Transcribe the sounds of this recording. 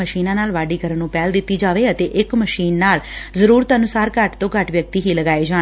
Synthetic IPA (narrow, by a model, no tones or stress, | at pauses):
əʃiːnãːnaːlʋaːɖiːkəɾənːũːpɛːld̪ɪt̪ːiːd͡ʒaːʋeːət̪eːʔɪkməʃiːnːaːlzəɾuːɾət̪ənʊsaːɾkəʈt̪õːkəʈʋjək̚t̪iːɦiːləɡaːeːd͡ʒaː